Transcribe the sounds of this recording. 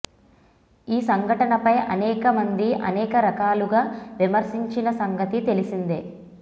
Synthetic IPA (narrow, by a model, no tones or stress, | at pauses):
iːsɐŋɡʱɐʈɐnɐpɐjʔɐnɛːkɐmɐnd̪iʔɐ̰nɛːkɐɾɐkaːluɡaːʋimɐɾsiɲt͡ʃinɐsɐŋɡɐt̪it̪e̞lisind̪e